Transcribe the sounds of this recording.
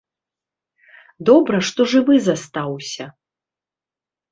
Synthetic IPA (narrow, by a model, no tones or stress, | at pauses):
d̪ɔbɾɐʂt̪ɔʐɨvɨzast̪awsʲɐ